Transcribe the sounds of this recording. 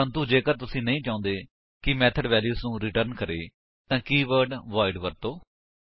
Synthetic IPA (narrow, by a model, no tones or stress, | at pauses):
ə̃nt̪uːd͡ʒeːkəɾt̪ʊsĩːnəĩːt͡ʃãːnd̪eː | kɪmɛːt̪ʰəɖʋɛːljuːsnũːɾiːʈəɾnkəɾeː | t̪ãːkiːʋəɾɖʋaːɪɖʋəɾt̪oː